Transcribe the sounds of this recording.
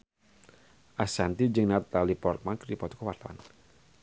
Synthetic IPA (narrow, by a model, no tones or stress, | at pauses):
ʔasant̪id͡ʒəŋnat̪alipɔrt̪̚mankɾipɔt̪ukɔwat̪la̰n